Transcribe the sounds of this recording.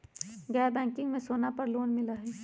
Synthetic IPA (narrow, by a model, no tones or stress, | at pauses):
ɡɛːɾbɛ̃ːŋkɪ̃ŋɡmẽsoːnapɐɾloːnmɪlaɦɛː